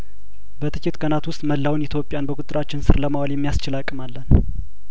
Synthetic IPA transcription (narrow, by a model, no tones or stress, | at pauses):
bət̪ʰɨt͡ʃːɪt̪kʼənat̪wʊst̪ʼməlːawnɪt̪ʰjo̞pʼːjanbəkʼʊt̪ʼɨɾat͡ʃːɪnsɨ̰ɾləmawaljɛmːijast͡ʃɪlakʼːɨmalːən